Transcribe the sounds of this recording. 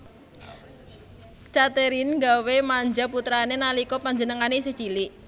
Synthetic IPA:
t͡ʃat̪eɾinɡawemaɲd͡ʒaput̪ɾanenalikɔpaɲd͡ʒənəŋanes̬ə̥d͡ʒ̥ilɪʔ

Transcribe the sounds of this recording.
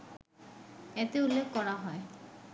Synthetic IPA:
et̪eulːekʰkɔɾaɦɔe

